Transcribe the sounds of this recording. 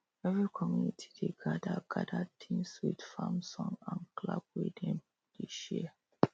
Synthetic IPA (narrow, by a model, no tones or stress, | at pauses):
ɛvɹikʰɔmjunitʰi̥deɡadaɡadatʰĩmswidfãmsɔ̃ŋãnkla̰b̚widɛ̃m | d̥eʃḭɛ